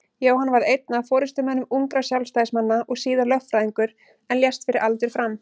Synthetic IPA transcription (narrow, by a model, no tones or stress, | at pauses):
joːwhanːvaɾejt̪̚nafɔːɾɪst̪ʏmhɛnːʏmuŋkɾasjawlst̪ajsmanːaʔɔɣsiːðalœhfɾaðiŋkʏɾ | ɛnljɛst̪fɪɾʔɪɾʔalt̪ʏɾ̥fɾam